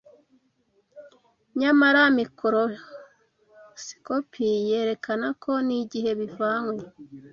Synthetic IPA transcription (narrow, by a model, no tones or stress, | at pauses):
ɲamaɾamikoɾo | si̥kopʰijeːɾe̞kanakʰo̞niɟiɦe̞βivaŋwe